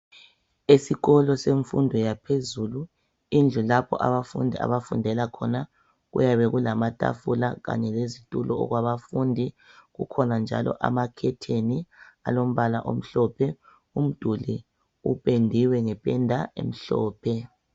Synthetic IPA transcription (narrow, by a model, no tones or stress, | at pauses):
esiɣɔlɔseɱfundʱɔjapʰezuːlu | ind͡ɮʱulapʰɔ̰ʔaβafṵndʱia̰βafundʱɛlakʰɔna | ɣṵjaβɛɣulamatʼa̰fulaɣa̰ɲɛlezitʼulɔ̰ːɣwaβafundʱi | ɣṵkʰɔnand͡ʒʱa̰lɔ̰ʔa̰makʰɛtʰenia̰lom̩βalaʔom̩ɬɔpʰɛ | um̩d̥ʱuli | ṵpʼendʱiwɛŋɛpʼɛndʱaḛm̩ɬɔːpʰɛ